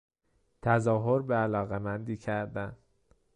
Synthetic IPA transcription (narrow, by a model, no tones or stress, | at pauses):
t̪ʰæzɒːɦoɾbeælɒːɣemænd̪iːcʰæɾd̪æn